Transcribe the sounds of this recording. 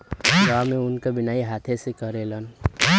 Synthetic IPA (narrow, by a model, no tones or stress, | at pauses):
wameunkabinaiɦat̪ʰesẽkʌɾelʌn